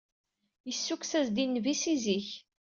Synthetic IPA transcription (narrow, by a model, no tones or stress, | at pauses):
jəsːuksæzd̪inːvisiziç